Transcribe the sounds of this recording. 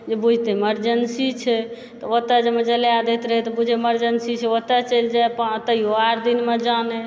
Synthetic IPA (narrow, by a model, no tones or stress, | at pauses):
d͡ʒebud͡ʒʱt̪eeməɾd͡ʒənsit͡ʃʰɛ | t̪ɔət̪ːad͡ʒemed͡ʒəlead̪et̪ɾəɦet̪ɔbud͡ʒʱeeməɾd͡ʒənsit͡ʃʰɛət̪ːat͡ʃəld͡ʒaepat̪əioaɾd̪inmed͡ʒane